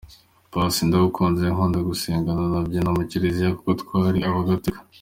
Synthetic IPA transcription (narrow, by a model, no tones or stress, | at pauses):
pasindaukʰoːnzeeŋoːndaɡuseːŋɡananabɟanomuceɾezijaku̥kotkwaːɾiaβaɡatikḁ